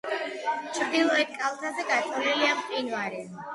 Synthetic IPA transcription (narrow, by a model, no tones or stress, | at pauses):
t͡ʃʰɾd̪ilˠɔɛt̪̚kʼalˠt̪ʰazɛɡat̪sʼɔniliamqʼinvaɾɛ